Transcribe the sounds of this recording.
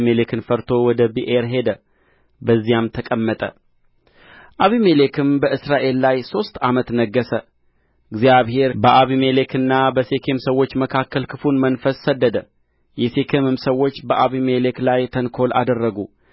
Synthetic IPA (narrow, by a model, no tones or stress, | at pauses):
melekʰɨnfəɾt̪ʰo̞wɔd̪əbiʔeɾɦe̞d̪ə | bəzːijamt̪ʰəkʼəmːət̪ʼə̰ | ʔaβimele̞kʰɨnbəʔɨsɾaʔe̞lːajso̞st̪amət̪nəɡːəsə | ɨɡzijaβhe̞ɾbəʔaβimele̞kʰɨnːabəse̞kʰe̞msəwo̞t͡ʃːməkʰakːəlkʰɨfunmənfəsːəd̪ːəd̪ə | jɛse̞kʰemɨmsəwːo̞t͡ʃːbəʔaβimeleklajt̪ʰənkʰo̞lʔa̰d̪ərːəɡu